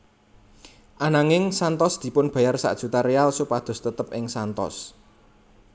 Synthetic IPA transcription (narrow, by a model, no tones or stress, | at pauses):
ʔanaŋɪŋsant̪ɔsd̪̥i̤pʊnb̥a̤jarsa̰ʔd̥ʒ̥ṳt̪aɾealsupad̪̥ʊ̤st̪ət̪əp̚ɪŋsant̪ɔ̰s